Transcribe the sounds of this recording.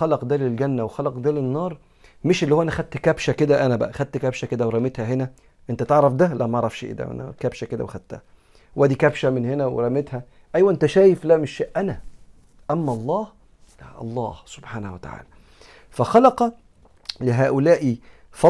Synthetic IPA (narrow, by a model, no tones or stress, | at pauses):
xɑlɑqd̪æːlelɡænːæwexɑlɑqd̪æːlenːɑːɾˤ | meʃʔelːihowːʔænæxæd̪̚t̪kæbʃæked̪æʔænæbæ̰ʔæxæd̪̚t̪ːkæbʃæked̪æweɾˤɑmet̪hæɦenæ | ʔent̪æt̪eʕɾˤɑfd̪ælæʔmæʔɑʕɾˤɑfʃʔḛd̪æ̰wʔæ̰næ̰kæbʃæked̪æ̰wexæd̪̥̚t̪ːæ̰hæ | wʔæd̪ikæbʃæmɪnhenæwḛɾˤæmet̪hæ | ʔæjwæʔent̪æʃæːjeflæmeʃːeːʔʔænæ | ʔæmːæʔɑlˤːɑːh | læʔɑ̰lˤːɑːhso̥bħaːnæhwæt̪a̰ʕa̰ːlæ | fæxɑlɑqɑ | leɦæːʔolæːʔifɑ